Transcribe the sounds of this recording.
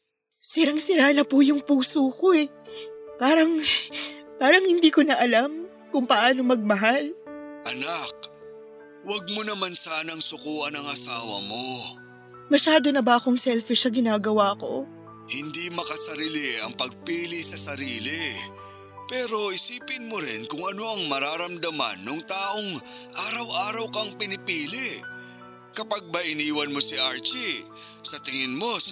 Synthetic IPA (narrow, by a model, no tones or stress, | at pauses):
sɪɾaŋsɪɾaːnɐpuːjʊŋpuːsoːko̞ɛ | paːɾɐŋ | paːɾɐŋhɪnd̪iːkonɐʔɐlam | kʊŋpɐʔaːno̞mɐɡ̚mɐɦalʔɐnak̚ | wɐɡ̚monɐmansaːnɐŋsʊkuːɐnɐŋɐsaːwɐ̰mo | mɐʃaːd̪o̞nɐbɐʔɐko̞ŋsɛlfɪʃnɐɡɪnaːɡɐwaːko̞̰ | hɪnd̪imɐkɐsɐɾiːlɪɐŋpɐɡ̚piːlɪsɐsɐɾiːlɪ | pɛːɾo̞ʔɪsiːpɪnmoɾɪnkʊŋɐno̞ɐŋmɐɾaːɾɐmd̪ɐma̰nːoŋt̪aːʔo̞ŋʔaːɾɐwʔaːɾɐwkɐŋpɪnɪpiːlɪʔ | kɐpaɡ̚bɐʔɪniːwɐnmo̞siʔaɹt͡ʃi | sɐt̪ɪŋɪnmo̞s